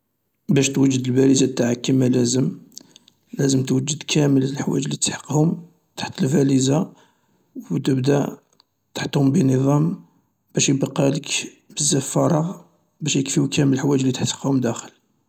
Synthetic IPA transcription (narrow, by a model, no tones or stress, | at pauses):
bæʃt̪wəʒːəd̪əlbælizat̪ːaʕəkːəmælæzəm | læzəmt̪wəd͡ʒːəd̪kʰæməllħwæ̰d͡ʒlit̪ħə̥qːhʊm | t̪ḁħt̪əlfæliza | wwt̪əbd̪æ | t̪ḁħt̪hʊmbənəðˤɑm | b̥æʃjəbqɑlək | bəzːæfɑɾˤɑ | bæʃjəkfiwkæməlħwæd͡ʒlit̪aħt̪ə̥qhʊmd̪æxəl